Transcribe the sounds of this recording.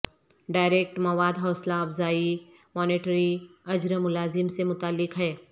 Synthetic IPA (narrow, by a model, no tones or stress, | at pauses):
ɖaːɪɾeːk̚ʈmɐʋaːd̪ɦɔːslaɐfzaːi | mɔːneːʈɾiɐd͡ʒɾəmʊlaːzɪmsemʊt̪aːlːɪkɦɛː